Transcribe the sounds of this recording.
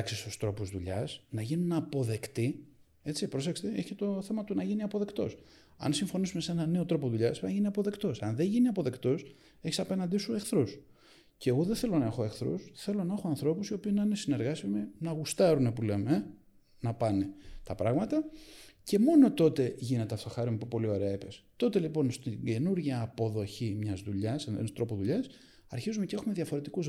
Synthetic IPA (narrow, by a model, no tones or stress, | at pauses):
ksist̪ust̪ɾo̞puzðuʎɐ̰snɐʝinunɐpo̞ðe̞kt̪i | e̞t͡sipɾo̞sekse̥t̪eeçit̪o̞θe̞mɐt̪unɐʝiniɐpo̞ðe̞kt̪o̞̰s | ɐ̰nsiɱfo̞nisume̞se̞nɐne̞o̞t̪ɾo̞po̞ðuʎɐsnʝiniɐpo̞ðe̞kt̪o̞sɐnðeʝiniɐpo̞ðe̞kt̪o̞s | eçi̥sɐpe̞nɐnd̪isue̞xθɾus | ceːɣoðeθe̞lo̞nɐexo̞exθɾṵsθe̞lo̞nɐe̞xoɐnθɾo̞pusio̞piːnɐinesine̞ɾɣɐsiminɐɣust̪ɐɾunepule̞me | nɐpɐne̞t̪ɐpɾɐɣmɐt̪ɐce̞mo̞no̞t̪o̞t̪e̞ʝine̞t̪eɐft̪o̞xɐɾimepupo̞lio̞ɾe̞ɐipe̞st̪o̞t̪e̞lipo̞nst̪iɟe̞nuɾʝɐːpo̞ðo̞çimɲɐzðuʎɐsenðḛnst̪ɾopoðuʎɐs | ɐɾçizumecee̞xume̞ðjɐfo̞ɾe̞t̪ikuz